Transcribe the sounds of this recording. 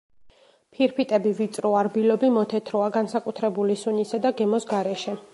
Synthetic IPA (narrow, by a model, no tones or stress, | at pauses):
pʰiɾpʰit̪ʼɛbivit̪sʼɾɔaɾbilɔbimɔt̪ʰɛt̪ʰɾɔaɡansakʼut̪ʰɾɛbulisunisad̪aɡɛmɔsɡaɾɛʃɛ